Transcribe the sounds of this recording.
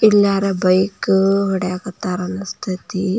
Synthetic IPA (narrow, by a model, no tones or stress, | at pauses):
ilːaːɾɐbɐjkʋɔɽɐakɐt̪ːaːɾɐnɐst̪ʰit̪i